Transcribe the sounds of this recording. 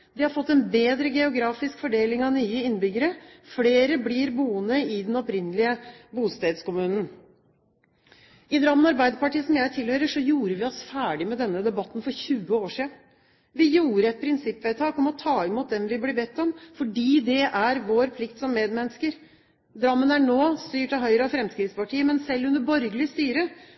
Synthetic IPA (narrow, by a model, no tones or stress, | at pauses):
d̪ɪhɑɾfɔt̪ːɛnbeːd̪ɾəɡɛʊɡɾɑːfɪskfɔɖeːlɪŋɑnyːəɪnːbʏɡəɾəfleːɾəbliɾbuːənəɪd̪ɛnɔpɾɪnːəlɪəbuːst̪eːd̪skʊmʉːnən̩ | ɪd̪ɾɑmənɑɾbæɪd̪əpɑʈiːsɔmjæɪt̪ʰɪlhøːɾəʂɔjuːɾəʋɪɔsfæːɖɪmɛd̪ɛnːəd̪ɛbɑt̪ːnfɔɾçʉːəoːʂiːd̪n | ʋɪjuːɾəɛt̪̚pʰɾɪnsɪpːʋæt̪ʰɑːkɔmɔt̪ʰɑːɪmːuːt̪̚d̪ɛmʋɪblɪbɛt̪ːɔmfɔɖiːd̪ɛʔæɾʋoːɾpʰlɪkt̪sɔmːeːd̪mɛnəskəɾ | d̪ɾɑmːənæɳoːst̪yːʈɑɦœʏɾəɑfɾɛmskɾɪt̪spʰɑʈʰiːəmɛnsɛlːʉnəbɔɾɡəlɪəst̪yːɾə